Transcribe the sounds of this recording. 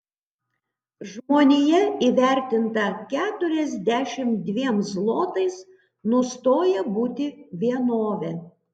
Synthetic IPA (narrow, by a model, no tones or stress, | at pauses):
ʒmoːnʲeːjɛiːʋʲæˑɾʲt̪ʲɪnt̪ɐkʲæːt̪ʊɾʲɛzʲd̪ʲæʃʲɪmd̪ʲʋʲiɛmzlˠoːt̪ɐɪs | nʊst̪oːjɛbuːt̪ʲɪʋʲiɛnoːʋʲɛ